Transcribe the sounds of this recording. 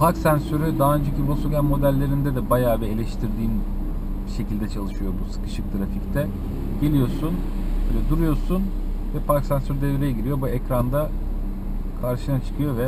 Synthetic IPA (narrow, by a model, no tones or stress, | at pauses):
pʰaksænsøɾyd̪aɦaønd͡ʒɛcibnusoɡʲænmo̞d̪ælʲːe̞ɾind̪ɛd̪ɛbajaːbɛelʲɛʃt̪ʰiɾd̪iːn | biʃe̞cilʲd̪ɛt͡ʃʰalˠɯʃɯjo̞busɯ̥kɯ̥ʃɯk̚t̪ʰɾafict̪ʰɛ | ɟe̞lʲijo̞ɾsun | bøːlʲɛd̪uɾujo̞ɾsun | vɛpʰaksænsøɾyd̪eviɾejɛɟiɾijo̞buɛcɾand̪a | kʰaɾʃɯnat͡ʃʰɯ̥kʰɯjo̞vɛ